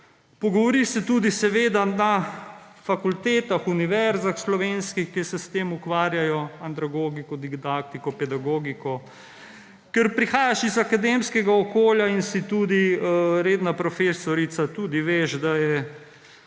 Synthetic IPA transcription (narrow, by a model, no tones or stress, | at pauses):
pɔɡɔʋɔɾiʃsɛt̪uːd̪isɛʋeːd̪ana | fakult̪eːt̪axuniʋɛɾzaxslɔʋeːnskixkɛsɛst̪eːmukʋaːɾjajɔant̪ɾaɡoɡikɔd̪iɡd̪akt̪ikɔpɛd̪aɡoɡikɔ | kɛɾpɾixaːjaʃizakad̪emskɛɡaɔkoːljainsit̪uːd̪iɾeːd̪napɾɔfeːsɔɾit̪sat̪uːd̪iʋeːʒd̪ajɛ